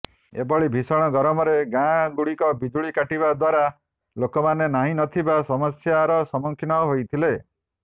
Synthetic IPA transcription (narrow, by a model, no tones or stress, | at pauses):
ebɔɭibʱisɔɽ̃ɔɡɔɾɔmɔɾeɡãɡuɽikɔbid͡ʒuɭikaʈibad̪waɾa | lokɔmanenaɦĩnɔt̪ʰibasɔmɔsjaɾɔsɔmɔŋkʰinɔɦojt̪ʰile